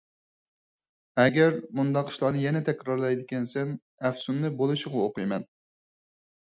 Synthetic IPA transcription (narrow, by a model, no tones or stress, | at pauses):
ɛɡʲɛɾmund̪ɑqi̥ʃlˠɑnɨjɛnɛt̪ʰɛkʲɾɑɾlˠɛjd̪ɪkʲɛnsɛn | ɛfsunːɨbolˠuʃɪʁɑoqɨjmɛn